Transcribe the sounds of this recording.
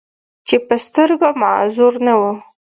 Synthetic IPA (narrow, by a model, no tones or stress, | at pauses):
t͡ʃepəst̪əɾɡomɑ̰zuɾnawu